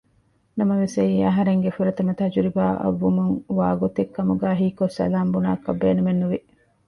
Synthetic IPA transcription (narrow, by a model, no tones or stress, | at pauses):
nɐmɐʋesɐiːɐɦɐɾeŋɡefuɾɐt̪ɐmɐt̪ɐɦɐd͡ʒuɾibaːʔɐ̰ʋːumuŋʋaːɡot̪ekːɐmuɡæːɦiːkosɐ̰laːmbuna̰ːɐkɐbːeːnumenːuʋi